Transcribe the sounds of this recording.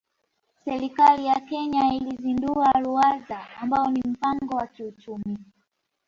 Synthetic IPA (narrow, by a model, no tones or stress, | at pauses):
sɛɾikalijakɛɲailizinduaɾuazaːmbaɔnim̩paŋɡɔwakiut͡ʃumi